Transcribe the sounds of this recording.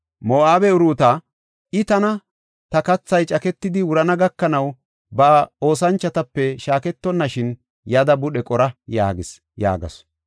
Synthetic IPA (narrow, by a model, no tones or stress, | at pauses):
moːaːbɛʊɾuːt̪a | ɪt̪ɐnɐ | t̪ɐkɐt͡sːɐjt͡ʃʼɐkɛt̪ːɪd̪ɪwʊɾɐnɐɡɐkːɐnɐw | bɐo̞ːsɐnt͡ʃːɐt̪ɐpːɛʃaːkɛt̪ːɔnːɐʃɪn | jɐd̪ɐbʊɗɛkʼɔɾɐja̰ːɡɪs | ja̰ːɡɐ̰s